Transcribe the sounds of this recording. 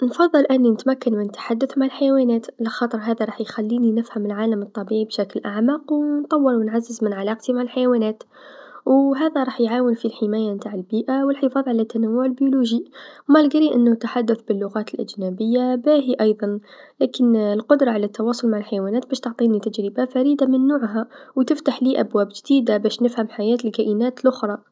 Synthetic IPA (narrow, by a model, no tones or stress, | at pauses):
nfɑðˤːɨlʔɪnːinɪt̪makːanmɪnt̪ːḁħad̪ːʊθmaʕalħajawaːnæːt̪laxɑːt̪ˤəɾˤɦaːðaɾˤɑːħjxalːiːninɪfhamɪlʕaːlamɨt̪ˤːɑbiʕibʃaklʔaʕmaːqwnt̪ˤɑwːəɾwnʕazːəzmɪnʕalɑːqt̪imaʕalħajawaːnæːt̪ | wɦaːðaɾˤɑːħjʕaːwənfilħɪmaːjamt̪aːʕɪlbiːʔawəlħəfɑːðˤʕalat̪ːanawːʊʕɪlbjuluːʒimalɡɾiʔɪnːʊt̪ːaħad̪ːaθbɪlːʊɣaːt̪ɪlʔa̰d͡ʒnabɪjːabæːɦiʔɑjðˤɑnlaːkɪnlqʊd̪ɾˤɑʕalat̪ːɑwɑːsˤʊlmaʕalħajawaːnaːt̪̚bæːʃt̪ʊʕt̪ˤiːnit̪ad͡ʒɾɪbafaɾiːd̪amɪnːuːʕɦawt̪ɪft̪aħliːʔabwaːbʒd̪̥iːd̪abæːʃnɪfhamħajaːt̪ɪlkaʔɪnaːt̪lʔʊxɾˤɑ